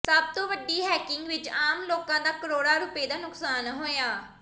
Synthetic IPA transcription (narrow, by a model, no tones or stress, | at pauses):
səb̚t̪õːʋəɖiːɦɛːkɪŋɡʋɪt͡ʃaːmloːkãːd̪aːkəɾoːɽaːɾʊpeːd̪aːnʊksaːnɦoːjaː